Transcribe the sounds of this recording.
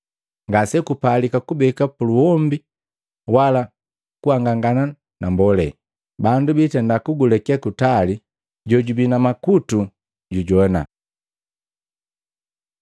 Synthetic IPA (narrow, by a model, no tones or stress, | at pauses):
ŋɡasɛkupalikakubɛkapuluwɔmbi | wala | kuhaŋɡaŋɡana | nambɔlɛ | bandubitɛndakuɡulɛkiakutali | ɟɔɟubinamakutu | ɟuɟɔna̰